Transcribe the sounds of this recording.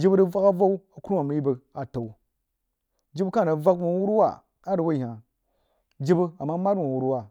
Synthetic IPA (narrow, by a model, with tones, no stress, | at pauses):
d͡ʒi˦bdə˦va˦ka˦va˦u˦a˨ku˦ɾma˨mə˨˦ji˦bə˨a˨ta˨wu˨ | d͡ʒi˦bka˦˨a˨va˦kmo˨˦wu˦ɾwa̰˦˨ | a˦ɾə˨wa˦˨ɦa˨ | d͡ʒi˦bə˦a˨mːa˦ma˦dwo˨wu˦ɾwa˦˨